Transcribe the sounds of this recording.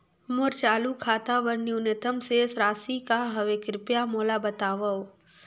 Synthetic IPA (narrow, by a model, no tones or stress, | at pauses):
mʊɾt͡ʃaːlukʰaːt̪aʋəɾnjunɪt̪əmsesɾaːsikaɦɐʋekɾɪpjamoːlabɐt̪aːʋɐo